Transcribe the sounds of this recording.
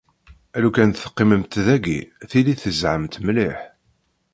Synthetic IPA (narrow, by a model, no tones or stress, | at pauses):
ælukænθə̥qːɪməmt̪ðæɡḭθiliθəzʕəmt̪mliħ